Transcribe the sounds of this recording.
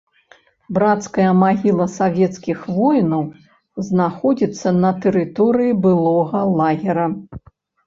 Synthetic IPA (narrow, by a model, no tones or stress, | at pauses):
bɾat̪skɐjɐmaɣʲilˠɐsavʲɛt̪skʲixvɔjnɐw | znaxɔd͡zʲit̪sːɐnɐt̪ɛɾɨt̪ɔɾɨjibɨlˠɔɣɐlˠaɣʲɛɾɐ